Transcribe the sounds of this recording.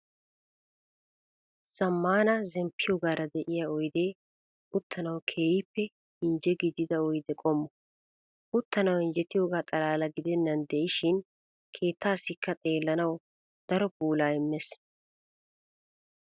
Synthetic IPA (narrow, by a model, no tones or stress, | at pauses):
sɐmːaːnɐzɛmpʰːɪjoːɡaːɾɐd̪ɛʔɪjaːɔjd̪e̞ː | ʊt̪ʰːɐnɐwkʰe̞ːjɪpːɛ | ɪnd͡ʒɛɡɪd̪ɪd̪ɐɔjd̪ɛkʼɔmːɔ | ʊt̪ːɐnɐwɪnd͡ʒɛt̪ːɪjoːɡaːt̪ʼɐlaːlɐɡɪd̪ɛnːɐnd̪ɛʔɪʃɪn | kʰe̞ːt̪ːaːsːɪkːɐt̪ʼe̞ːlːɐnɐw | d̪̥ɐɾɔbuːlaːɪmːɛs